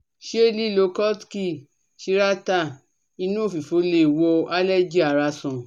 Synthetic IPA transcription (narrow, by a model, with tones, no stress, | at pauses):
ʃe˦˨li˦˨lo˧˦kɔ˦tki˦˨ | ʃi˧˦ɾa˦ta˦˨ | i˧nũ˦o˦˨fi˨fo˨˦le˧˨wo˧˦a˦lɛ˦d͡ʒi˦a˨ɾa˧sɔ̃˨